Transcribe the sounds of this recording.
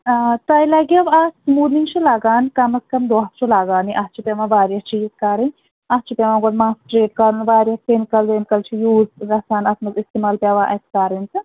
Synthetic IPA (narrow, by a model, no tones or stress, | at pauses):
t̪ɐilɐɡiɐʋaːsmuːniŋɡt͡ʃʰilaɡaːnkɐmɐskɐmd̪ot̪t͡ʃʰulaɡaːniʔɐst͡ʃʰipeʋãʋaːɾjɐt͡ʃiːzkɐɾɨnʲ | ɐst͡ʃʰipʲeʋãɡod̪maːsʈɾeːʈ̚kɐɾunʋaːɾjɐst̪enkɐld̪eːnkɐlt͡ʃʰijuːzɾɐsaːnɐt̪nɐzist̪eːmaːlpʲjaːʋaːʔɐskaɾinsɨ